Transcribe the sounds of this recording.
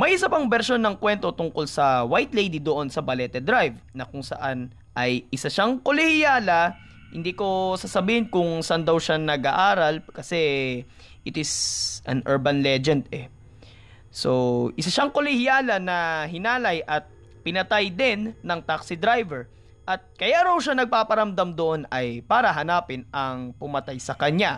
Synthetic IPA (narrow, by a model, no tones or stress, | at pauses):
mɐjʔɪsapɐŋbɛɾʃo̞nːɐŋkwɛnt̪o̞t̪ʊŋko̞lsɐwajt̪lejd̪id̪oʔo̞nsɐbɐlɛt̪ɛd̪ɾajvnɐkʊŋsɐ̰ʔan | ʔɐjʔɪsaʃaŋkolɪhɪjaːlɐ | hɪ̰nd̪iːko̞sasɐbiːhɪnkʊŋsɐʔand̪ɐwʃanɐɡʔaʔaːɾɐlkɐsɛ | ʔɪt̪ɪsʔɐ̰nʔɛɹbɐnlɛd͡ʒɛnd̪ɛ | soʔɪsaʃaŋkolɪhɪjaːlɐnɐɦɪnaːlɐjʔɐt̪̚ | pɪnɐt̪ajd̪ɪnːɐŋt̪aksɪd̪ɾajvɛɹ | ʔɐt̪̚kɐjaɾɐwʃanɐɡ̚paːpɐɾɐmd̪amd̪oʔonɐjpaːɾɐɦɐnaːpɪnɐŋpʊmɐt̪ajsɐkɐɲa